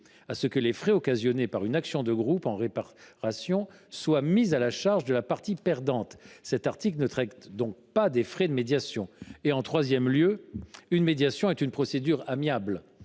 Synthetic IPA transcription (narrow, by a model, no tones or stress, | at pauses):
asəkəlefχɛɔkazjɔnepaʁynaksjɔ̃d̪əɡʁupɑ̃ʁepaʁasjɔ̃swamizalaʃaʁʒd̪əlapaʁt̪ipɛʁd̪ɑ̃t̪sɛt̪aʁt̪iklnət̪χɛkt̪d̪ɔ̃k̚pad̪efχɛd̪əmed̪jasjɔ̃eɑ̃t̪χwazjɛmljøynmed̪jasjɔ̃ɛt̪ynpχɔsed̪yʁamjabl